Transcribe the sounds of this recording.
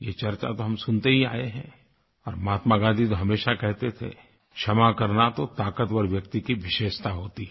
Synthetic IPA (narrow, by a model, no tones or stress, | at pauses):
jet͡ʃɐɾt͡ʃa̰t̪oɦɐmsʊnt̪eɦia̰ːeɦɛ̃ | ɔːɾmaːt̪maɡãːnd̪it̪oɦɐmeːʃakɛɦt̪et̪ʰḛ | ʃʰɐmakɐɾnat̪ot̪aːkət̪ɔːɾʋjɐkt̪ikiʋɪʃeːʃt̪aɦoːt̪i